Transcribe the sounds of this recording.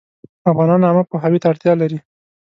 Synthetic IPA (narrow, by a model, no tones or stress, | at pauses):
afɣɑnɑnɑmapoɦawit̪aaɽt̪jɑlaɾi